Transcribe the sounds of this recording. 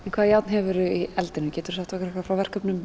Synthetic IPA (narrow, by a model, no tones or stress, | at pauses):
ɛnkʰvaːðjawt̪nɦɛvʏɾʏiɛlt̪ɪnʏcɛːt̪ʏɾ̥sɛht̪ɔhkɾɛhkvafɾawvɛr̥kœpnʏm